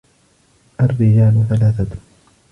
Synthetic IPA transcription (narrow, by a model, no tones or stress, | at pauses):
ʔarːɪd͡ʒaːlθalaːθat̪